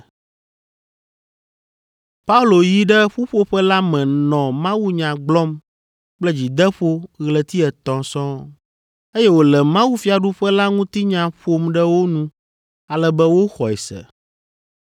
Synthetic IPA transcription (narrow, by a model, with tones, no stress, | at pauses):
pa˦u˦lo˨ji˦ɖɛ˦ɸu˦ɸo˦ɸɛ˦la˦mɛ̃˨nɔ̃˨mã˦wu˦ɲã˨ɡ͡blɔ˦m | k͡plɛ˦d͡ʑi˨d̪ɛ˦ɸo˦ɣlɛ˨t̪i˦ɛ˨t̪ɔ̃˨sɔ̃˦ | e˦jɛ˦wo˨lɛ˨mã˦wu˦fi˨a˨ɖu˦ɸɛ˦la˦ŋũ˦t̪i˦ɲã˨ɸo˦mɖɛ˦wo˦nũ˦ | a˨lɛ˦bɛ˦wo˦xɔ˨ɛ˨sɛ̰˨